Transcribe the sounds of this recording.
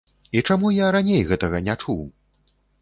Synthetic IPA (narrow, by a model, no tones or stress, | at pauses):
it͡ʂamujaɾanʲejɣɛt̪ɐɣɐnʲat͡ʂuw